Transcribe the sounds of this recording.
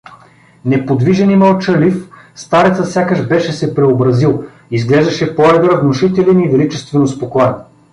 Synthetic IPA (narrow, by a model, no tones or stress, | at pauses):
nɛpod̪viʒɛniməlˠt͡ʃəlif | st̪aɾɛt̪sət̪sʲjakəʃbɛʃɛsɛpɾɛobɾɐzilˠ | izɡlɛʒd̪ɐʃɛpoɛɡ̪ɾəvnoʃit̪ɛlɛnivɛlit͡ʃɛst̪vɛnospokˠanʲ